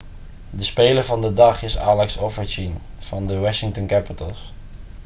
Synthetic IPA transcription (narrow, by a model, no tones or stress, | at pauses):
dəspeːləɹvɑndədɑχɪsa̰ːlɛksofəɹt͡ʃin | v̥ɑndəwɑʃɪŋtənkæpətəlˠs